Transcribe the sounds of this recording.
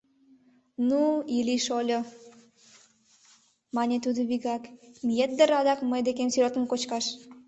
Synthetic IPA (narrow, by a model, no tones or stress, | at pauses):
nuiliʃolʲo | mɑnʲet̪ud̪oβiɣɑkmijet̪̚d̪əɾɑd̪ɑkməjd̪ekemsyɾot̪ə̆nkot͡ɕkɑʃ